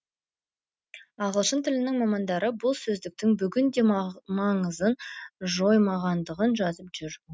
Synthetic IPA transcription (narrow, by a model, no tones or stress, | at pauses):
ɑʁəlˠʃənt̪ʰɪlɪnɪŋmɑmɑnd̪ɑɾəbʊlˠsɵzd̪ɪk̚t̪ɪŋbʏɡʲɪnd̪e̞mɑɴəzənʒo̞jmɑʁɑnd̪əʁənʒɑzəpʒ̥ʏɾ